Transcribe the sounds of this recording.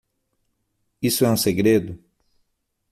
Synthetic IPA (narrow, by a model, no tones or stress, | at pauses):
isʊɛũseɡɾed̪ʊ